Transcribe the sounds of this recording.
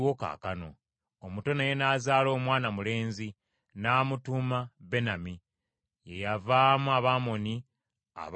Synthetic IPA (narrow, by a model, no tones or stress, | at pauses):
wo̞ka̰ːkano̞ː | muto̞naje̞naːzaːlo̞ːmwaːnamule̞ːnzi | naːmutumabe̞nami | je̞javaːmuaβaːmo̞ni | a̰β